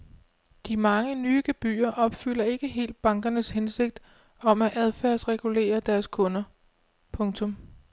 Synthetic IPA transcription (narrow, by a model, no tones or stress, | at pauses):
d̥imɑ̈ŋənyːɡ̥eb̥y̰ːɐʔɒ̽b̥fyl̰ɐe̝ɡ̥əɦe̝̰ːld̥̚b̥ɑ̈ŋɡ̥ɐnəshense̝ɡ̥̚d̥ | ɒ̽mæʔæð̞ˠfæɐ̰sʁɛɡ̥ule̝̰ːɐd̥æɐskʰɔ̽nɐ | pʰɔ̽ŋt͡sʰɔ̽m